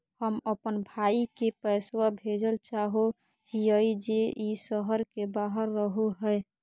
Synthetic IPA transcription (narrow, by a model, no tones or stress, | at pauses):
həməpənbʱaikepəɪswabʱed͡ʒəlt͡ʃaɦo | hiəjd͡ʒeisəɦəɾkebaɦəɾːəɦoɦə